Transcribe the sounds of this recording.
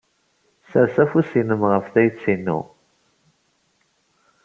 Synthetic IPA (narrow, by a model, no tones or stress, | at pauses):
səɾsæfusinəmʁəfθæjət͡sːinːṵ